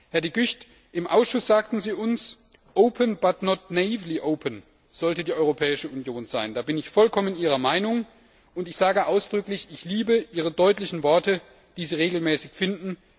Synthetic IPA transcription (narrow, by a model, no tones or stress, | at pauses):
hɛɐdiːɡʏçt | ʔɪmʔaʊsʃʊsz̥aːktn̩ziːʊns | ʔoʊpʰənb̥atnɔtnaiːvliʔoʊpʰən | z̥ɔltədiːʔɔʏʁopʰɛːɪʃəunjoːnzaɪndaːbɪnɪçfɔlkʰɔmənʔiːʁ̞ɐmaɪnʊŋ | ʊntɪçz̥aːɡəʔaʊsd̥ʁʏklɪçɪçliːbəʔiːʁ̞ədɔʏtlɪçn̩vɔɐtə | d̥iːziːʁeːɡl̩mɛːsɪçfɪndn̩